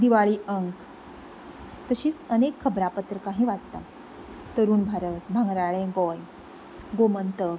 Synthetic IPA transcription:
d̪iʋaɭiːəŋk | t̪əɕiːt͡sənekʰːəbɾapət̪ɾəkaɦĩʋad͡zt̪a | t̪əɾuːnbʱaɾət̪bʱãŋɡɾaɭẽɡɔj | ɡomənt̪ə

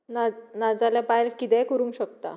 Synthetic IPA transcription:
nanad͡zalapajlkit̪ɛkəɾũŋkɕək̚t̪a̰

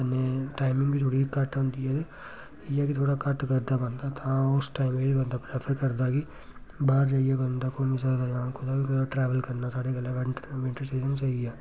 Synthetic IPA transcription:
neʈaːɪmɪ̃ŋɡbit̪ʰoːɽikɐʈɦõnd̪iɦɛt̪e | iɛkit̪ʰoːɽakəʈkəɾd̪abə̃nd̪at̪ʰãʊsʈaːɪmebibə̃nd̪apɾeːpʰəɾkəɾd̪aki | baːɾd͡ʒaːijekəɾ̃nd̪akoːmis̬at̪ajãːnkʰoːd̪akikʰoaʈɾɛːʋəlkəɾnasaːɽeɡəleʋɪʈʋɪ̃ɳʈəɾseːd͡ʒənsaiɛː

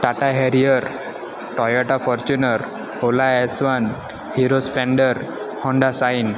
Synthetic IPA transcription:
ʈ̪aʈaɦeɾijəɾ | ʈɔjɔʈafɔɾt͡ɕunəɾ | holaɛsʋan | hiɾospɾɛ̃ɳɖəɾ | hɔ̃ɳɖasain

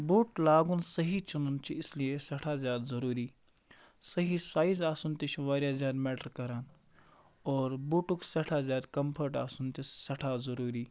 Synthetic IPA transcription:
buːʈlaːɡunsɐɦit͡ʃununt͡ʃiɪsliesɐʈʰaːzjaːd̪zɐɾuːɾiː | sɐɦisaːizaːsunt̪it͡ʃʰuʋaːɾjaːzʲjaːd̪mɛːʈəɾkɐɾaːn | ɔːɾbuːʈuksɐʈʰaːzjaːd̪kɐmpʰəʈaːsunt̪isɐʈʰaːzɐɾuːɾiː

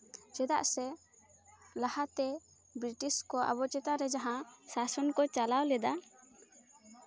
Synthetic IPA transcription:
t͡ʃɛd̪a̰ʔsɛ | lahat̪ɛ | bɾiʈiskɔʔa̰bɔt͡ʃɛt̪aɾɛd͡ʒaɦãsasɔnkɔt͡ʃalawlɛd̪a

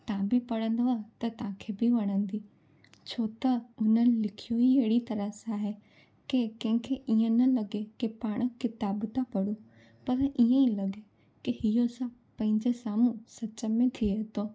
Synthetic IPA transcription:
t̪ãːbɪpɐɽə̃nd̪əʋat̪ɐt̪ɐãːkʰebɪʋɐɽ̃ə̃nd̪iː | t͡ɕʰoːt̪ɐʊn̤ənɪ̆lɪkʰijoɦiɦeɪɽit̪ɐɾəsaːɦe | kekɐ̃ɦɪ̃kʰeʔiə̃nɐlɐɠekepaːɽ̃̆kɪt̪aːbt̪ʰapɐɽu | pɐɾʔiə̃ilɐɠe | kɪhɪjosã | pɐ̃ɦɪ̃ɲd͡ʑesaːmũsɐt͡ɕə̆mẽt̪ʰieɦt̪oː

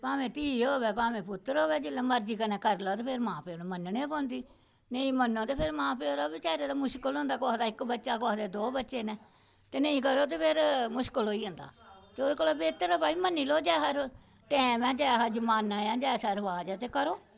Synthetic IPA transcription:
pãːʋẽːt̪iːoːʋɛːpãːʋẽːpʊt̪ːɾɦoːʋɛːd͡ʒɪlːãːməɾd͡ʒiːkənɛ̃ːkəɾlɔːt̪eːpʰɪɾmãːpeoːnẽːmənːnẽpɔ̃ːnd̪iː | nəĩːmənːõːt̪eːpʰɪɾmãːpeːoːɾaːbɪt͡ʃaːɾeːd̪aːmʊʃkəlõːnd̪aːkɔːd̪aːɪkbətːʃaːkɔːd̪eːd̪oːbətːʃeːnɛ̃ː | t̪eːnəĩːkəɾoːt̪̬eːpʰɪɾmʊʃkəlɦoːiːõːnd̪a̰ːt̪eːod̪eːkoːloːbeːt̪əɾəpaːiːmənːiːloːd͡ʒaːɦəɾ | ʈɛːmɛ̃ːd͡ʒaːɦad͡ʒəmaːnãːjãːd͡ʒaːsəɾʋaːd͡ʒɛːt̪eːkəɾoː

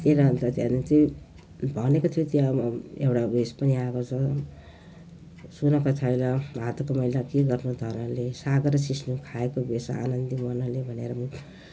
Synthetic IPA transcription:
t̪eɾʌnt̪ʌt̪janunt͡si | bʱʌnekot̪ʰjot̪jaewʈabespʌniakot͡sʰʌ | sunʌkat͡sʰʌjlʌɦat̪ʌkomʌjlakeɡʌrnud̪ʱʌnʌlesaɡʌɾʌsisnukʰaekobesaa̰nʌnd̪imʌnʌlebʱʌneɾʌmu

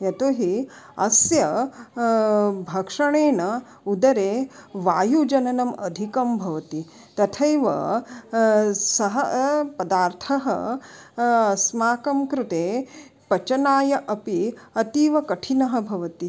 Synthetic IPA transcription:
ɐt̪oɦiɐsjɐ | bʱɐkʂɐɳeːnɐ | ud̪ɐɾeːʋaːjud͡ʒɐnɐnɐmɐd̪ʱikɐmbʱɐʋɐt̪i | t̪ɐt̪ʰɐjʋɐ̰ | sɐɦɐpɐd̪aːɾt̪ʰɐɦɐ̰ | smaːkɐmkɾut̪eː | pɐt͡ʃɐnaːjɐʔɐpiɐt̪iːʋɐkɐʈʰinɐɦɐ̆bʱɐʋɐt̪i

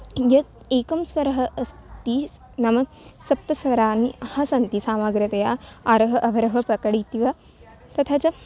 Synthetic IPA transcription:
jɐ | eːkɐmsʋɐɾɐɦɐ̆ʔɐst̪i | nɐmɐ | sɐp̚t̪ɐsʋɐɾaːnihɐsɐnt̪isaːmaːɡɾɐt̪ɐjaːaɾɐɦɐʔɐʋɐɾɐɦɐpɾɐkɐɽit̪iʋɐ | t̪ɐt̪ʰat͡ʃɐ

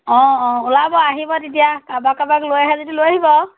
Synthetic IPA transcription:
ɔ̃ɔ̃ʊlabɔaɦibɔt̬it̬ijakabakabaklojaɦɛzodilojaɦibɔ

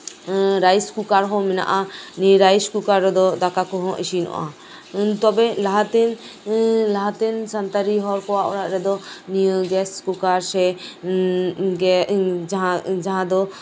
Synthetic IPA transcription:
ɾajskukaɾɦɔ̃mɛna̰ʔaniɾajskukaɾːɛd̪ɔd̪akakɔɦɔ̃ʔiʃinɔ̰ʔa̰ | t̪ɔbɛlaɦat̪ɛn | laɦat̪ɛnsant̪aɾiɦɔɾkɔwaʔɔ̰ɾaʔɾɛd̪ɔniəɡɛskukaɾsɛ | ɡɛd͡ʒaɦãd͡ʒaɦãd̪ɔ

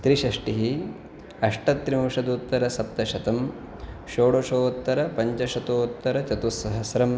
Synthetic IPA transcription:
t̪ɾiʃɐʂʈiɦi | ɐʂʈɐt̪ːɾimɐʂɐd̪uːt̪ːɐɾɐsɐp̚t̪ɐʃɐt̪ɐm | ʃoːɽoʂoːt̪ːɐɾɐpɐɲt͡ʃɐʃɐt̪oːt̪ːɐɾɐt͡ʃɐt̪usːɐɦɐsɐɾɐm

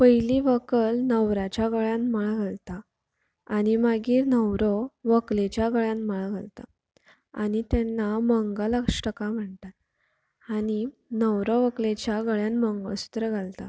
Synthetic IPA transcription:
pəjliʋəkəlnəwɾat͡ɕjaɡəɭjãnmaɭɡʱalt̪a | aɽ̃imaɡiːɾnəwɾəʋəklet͡ɕjaɡəɭjãnmaɭɡʱəlt̪a̰ | aɽ̃it̪janːaməŋɡaləkʂʈəkam̤əɳt̪at̪ | aɽ̃inəwɾəʋəklet͡ɕjaɡəɭjanməŋɡə̰su̥t̪ɾəɡʱalt̪a̰

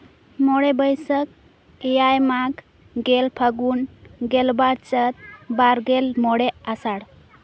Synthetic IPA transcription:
moɽebəjsək̚ | ejajmak | ɡelpʰəɡunɡelbaɾt͡ʃət̪̚baɾɡelmoɽeasaɽ

